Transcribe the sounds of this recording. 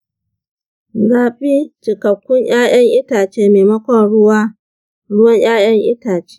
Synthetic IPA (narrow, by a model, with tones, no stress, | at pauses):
ɡaː˨ɸi˦t͡ʃɪ˨kɐ˨kʷːʊ˦ɲj̰aː˦j̰ɐ˦ŋʔɪ˦taː˨t͡ʃeː˦meː˨mɐ˦kʷɔ˦nɽʊ˦waː˦ | ɽʊ˦wɐ˦ɲj̰aː˦j̰ɐ˦ŋʔɪ˦taː˨t͡ʃe̥ː˦